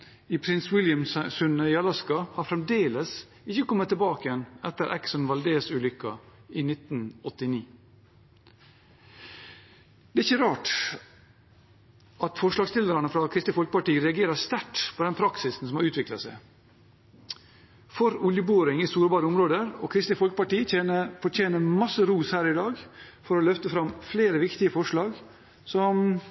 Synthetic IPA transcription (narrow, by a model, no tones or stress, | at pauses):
iːpʰɾɪnswɪljɑmssʉnəɪɑlɑskɑhɑɾfɾɛmd̪eːləs | ɪçəkɔmːət̪ʰːəlbɑːkəjɛnɛt̪ːəɾʔɛ̰ksɔnʋɑld̪eːsʉːlʏkːɑiːnɪt̪n̩ɔt̪ːɪniː | d̪̥ɛːɪçəɾɑːʈ | ʔɑt̪fɔʂlɑːɡst̪ɪld̪əɾɑnəfɾɑkʰɾɪst̪ləfɔlkə̥pɑʈiːəɾɛɑɡeːɾɑst̪æʈpʰoːd̪ɛnpʰɾɑksɪsn̩sɔmhɑɾʉːt̪ʋɪklɑsæ̰ɪ | fɔɾʊljəboːɾɪŋiːst̪uːɾbɑːɾəɔmɾoːd̪əɾɔ̰kʰɾɪst̪lɪfɔlkəpɑʈiːəəfɔt͡ʃeːnəmɑsəɾuːshæːɾɪd̪ɑːɡfɔɾɔlœft̪əfɾɑmfleːɾəʋɪkt̪ɪəfɔʂɭɑːɡ | sɔm